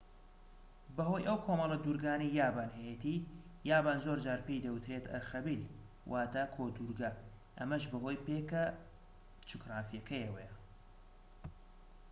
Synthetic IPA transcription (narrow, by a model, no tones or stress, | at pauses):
bɐɦo̞jʔɐwkʰomɐlˠɐd̪uɾɡaːnejjaːbaːnhejet̪i | jaːbaːnzoɾd͡ʒaːɾpejd̪ɐwut̪ɾet̪ʰɐ̰ɾxɐbil | wʔaːt̪akʰoːd̪uɾɡɐ | ʔɐmɐʃbɐɦo̞ːjpeːkɐ | t͡ʃʰɨkraːfijɐkʰɐjɐwɐjɐ